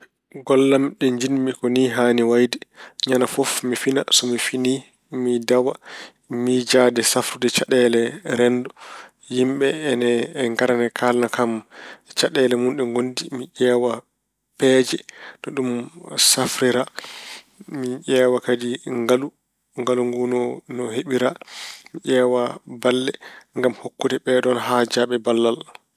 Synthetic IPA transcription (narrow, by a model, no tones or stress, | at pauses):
ɡɔlːamɗɛɲd͡ʒinmikɔniːɦaːniwajdɛɲanafɔfmifinasɔmifiniː | midawa | mid͡ʒadɛsafɾudɛt͡ʃaɗɛlɛɾɛndɔ | jimɓɛːnɛːŋɡaɾanɛkʰalnakamt͡ʃaɗɛlɛmunɗɛŋɡondimiʔɛːwa | pɛːd͡ʒɛɗɔɗumsafɾiɾa | miʔɛːwakadiŋɡalu | ŋɡaluŋɡunɔnɔheɓiɾamiʔɛːwabalːɛŋɡamhokːudɛɓɛɗɔnɦad͡ʒaɓɛbalːal